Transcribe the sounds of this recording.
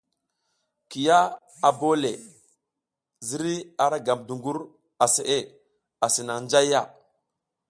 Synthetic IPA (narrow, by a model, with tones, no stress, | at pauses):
ki˨ja˦ | a˨bo˦le˨ | zi˦ɾi˦a˨ɾa˦ɡa˨mdu˨ŋɡu˦ɾ | a˨se˨ʔe˦˨ | a˨si˨na˨ŋnd͡ʒa˦ja˦˨